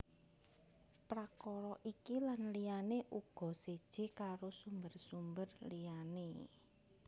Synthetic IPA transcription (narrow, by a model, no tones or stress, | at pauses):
pɾakɔɾɔʔikilanlijaneʔuɡ̥ɔ̤sed̥ʒ̥e̤kaɾosumbərsumbərlijane